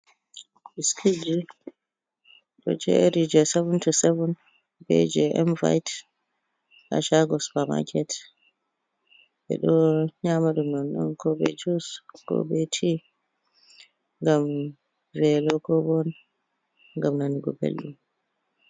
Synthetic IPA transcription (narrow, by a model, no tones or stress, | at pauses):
iskʰid͡ʒi | ɗɔ̰d͡ʒɛ̰ɾid͡ʒɛsɛvɛntusɛvɔn | bɛ̰d͡ʒɛʔɛmva̰jt | a̰ʃaɡɔspama̰kʰɛt | ɓɛ̰ɗɔɲamaɗumnɔnɗɔ̰nkɔbɛ̰d͡ʒuskɔ̰bɛtʰi | ŋɡam | vɛlɔkɔbɔn | ŋɡamnaniɡɔ̰bḛlɗum